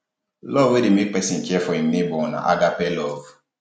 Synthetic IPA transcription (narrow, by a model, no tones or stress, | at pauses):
lɔvedemepɛsĩkiɛfɔĩnebɔ̃nã̰ʔa̰ɡapɛlɔv